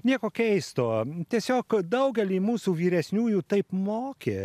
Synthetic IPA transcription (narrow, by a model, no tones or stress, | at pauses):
nʲiɛkoːkʲɛɪst̪oːt̪ʲiɛsʲoːkd̪ɐʊɡʲɛlʲiːmuːsuʋʲiːɾʲɛsʲnʲuːjuːt̪ɐɪpmoːkʲe